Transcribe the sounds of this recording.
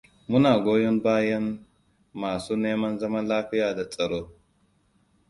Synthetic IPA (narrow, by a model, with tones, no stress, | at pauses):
mu˦na˨ɡo˦jo˦nbaː˦jɐ˦nː | aː˨su˦neː˦mɐ˦nzɐ˦mɐ˦laː˦ɸi˦jaː˨da˨t͡sʼɐ˨ɾo˦